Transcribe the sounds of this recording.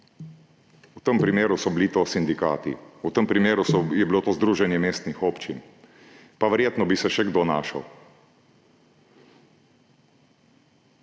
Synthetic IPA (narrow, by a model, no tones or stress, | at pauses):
ut̪əmpɾimeːɾusɔblit̪osind̪ikaːt̪ḭut̪əmpɾimeːɾusɔjɛbilot̪oːzd̪ɾuːʒɛnjɛmeːst̪nixoːpt͡ʃin | paʋɛɾjeːt̪nɔbisɛʃɛɡd̪oːnaːʃə̰w